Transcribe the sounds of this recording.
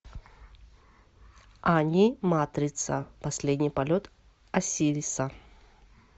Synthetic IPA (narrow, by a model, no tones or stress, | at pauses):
anʲimat̪ɾʲɪt̪sə̰pɐsʲlʲed̪ʲnʲijpɐlʲot̪ | ɐsʲilʲisə